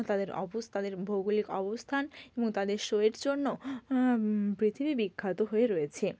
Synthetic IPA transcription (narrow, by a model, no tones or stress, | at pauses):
t̪ad̪eɾɔ̰bost̪ad̪eɾbʱoɡulikɔbost̪ʰaneboŋt̪ad̪eɾʃoeɾd͡ʑonːo | pɾit̪ʰibibikʰːat̪oɦoeɾojet͡ɕʰe